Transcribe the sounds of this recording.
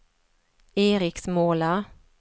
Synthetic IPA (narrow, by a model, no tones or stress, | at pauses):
eːɾɪksmoːla